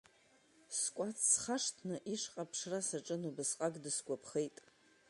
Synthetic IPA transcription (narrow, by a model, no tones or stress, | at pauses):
skʷʼat͡sʰsχaʂtʰnɨʔiʂqʼapʰʂrasaʈ͡ʂʼɨnubɨsqʼaɡdɨsɡʷʼapʰχejtʼ